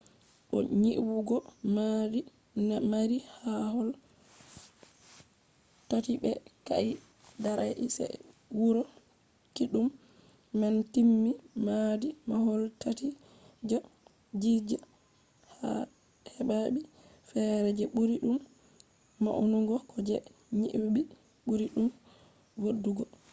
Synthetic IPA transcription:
ɗɔ̰ɲiʔwuɡɔmadi | namaɾihahɔl | tatiɓɛka̰i | daɾaʔḭsɛ̰ | wuɾɔ | kiɗumː | antimːimadimahɔltati | d͡ʒa | d͡ʒid͡ʒa | ha̰ | hɛɓaɓi | fɛɾɛd͡ʒɛɓuɾiɗumː | a̰ʔunuɡɔkʰɔd͡ʒɛ | ɲḭʔbi | ɓuɾiɗum | wodːuɡɔ

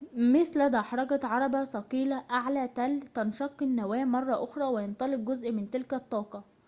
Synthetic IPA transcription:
mɪθlæd̪æħɑɾˤɑɡɑt̪ʕɑɾˤɑbæsɑqiːlæʔaʕlæːt̪ælt̪ɑnʃɑqːnːæwæːmɑrˤːɑʔoxɾˤɑːwɪjent̪ˤɑlɪq̚ɡʊzʔmɪnt̪ɪlkæt̪ˤːɑːqɑ

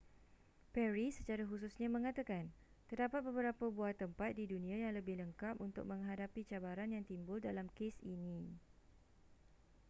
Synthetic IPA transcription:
pɛɾisət͡ʃaɾaɦus̬usɲãmə̃ŋãt̪akan | t̪ərdapat̪̚bəbəɾapabuat̪əmpat̪̚didunĩãjaŋləbɪhləŋkap̚unt̪ʊ̰k̚mə̃ŋɦadapit͡ʃabaɾanjaŋt̪imbʊldalamkesinĩ

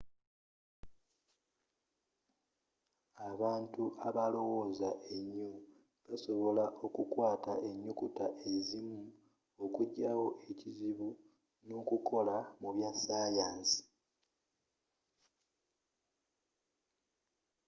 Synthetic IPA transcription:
aβaːntuʔaβalo̞wo̞ːzaʔe̞ɲːu | βaso̞βo̞laʔo̞kukwaːta̰ʔe̞ɲːukutaʔe̞zimu | okuɟawo̞ʔe̞ciziβu | no̞kuko̞lamuβjasaːjaːnsi̥

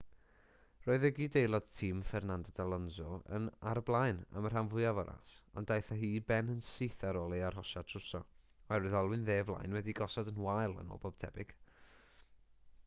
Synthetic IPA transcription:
r̥oːɨðəɡidejlˠɔd̥tʰiːmfɛrnandɔdalˠɔnzɔə̰naɾəblˠajna̰mər̥hamvʊɨavɔɾa̰sa̰ndajθaɦiːbɛnənsiːθaɾɔːlˠiarɦɔʃatʰrʊsɔarɨðɔlˠwɨnðeːvlˠa̰jnwɛdiɡɔsɔdənwajlˠə̰nɔ̰bɔb̥̚tʰɛ̰bɪɡ̥

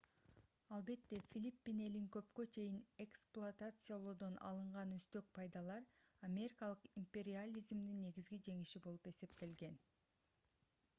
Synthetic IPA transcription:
ɑlˠbe̞t̪ːe̞fʲilʲipʲːine̞liŋkø̞pkø̞t͡ʃʰe̞jine̞ksplˠʊat̪at̪sɨjalˠod̪o̞nɑ̰lˠɯɴʁɑnøst̪ø̞k̚pʰɑjd̪ɑlˠɑɾamʲe̞ɾʲikalˠɯqimpʲe̞ɾʲɪalʲizmd̪inːe̞ɡizɡid͡ʒe̞ŋiʃibo̞lˠupe̞se̞pt̪e̞lɡe̞n

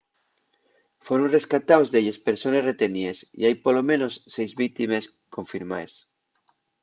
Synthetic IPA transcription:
foɾonreskat̪awzðeʎespeɾsonesret̪eniesḭajpolomẽnosːejzβik̚t̪imes | koɱfiɾmaes

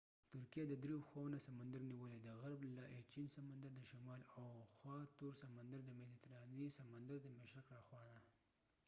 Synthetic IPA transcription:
t̪ʊɾkijed̪əd̪ɾeoxwawnasamand̪aɾniwəled̪əɣaɾblaʔet͡ʃinsamand̪aɾd̪əʃamɑlawxwɑt̪uɾsamand̪aɾd̪əmɪlit̪ɾɑnisamand̪aɾd̪əmɪʃɾɪkɾɑxwɑd̪a

